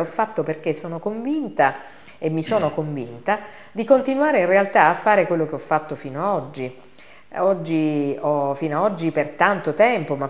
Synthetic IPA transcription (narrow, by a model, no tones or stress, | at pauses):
ɔfːat̪ːoperk̟esːoːnokoɱvint̪a | emːisoːnokoɱvint̪a | d̪ikont̪inwaːɾeinrealt̪aːfːaːɾekwelːok̟eɔfːat̪ːofiːnoaɔd͡ʒːi | ɔd͡ʒːiɔfiːnoaɔd͡ʒːipert̪ant̪ot̪ɛmpoma